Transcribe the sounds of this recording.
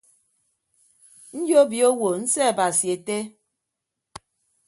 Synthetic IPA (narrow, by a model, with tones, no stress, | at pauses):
n̩˦d͡ʒo˦bi˨o˦wo˨n̩˦sɛ˦a˨ba˨si˨e˨te˦